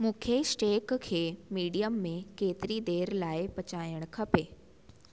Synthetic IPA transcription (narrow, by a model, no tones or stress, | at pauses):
mũːkʰesʈeːkkʰeːmiːɽijəmːẽkeːt̪ɪɾid̪eːɾlaːɪpɐt͡ɕaːjəɽ̃kʰɐpeː